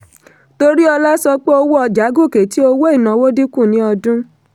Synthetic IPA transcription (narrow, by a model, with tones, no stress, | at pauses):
to˧ɾi˦ɔ˧la˦sɔ˧k͡pe˦o˧wo˦ɔ˧d͡ʒa˨˦ɡo˦˨ke˨ti˦o˧wo˦i˦˨nã˨wo˦di˦kũ˦˨nĩ˨˦ɔ˧dũ˦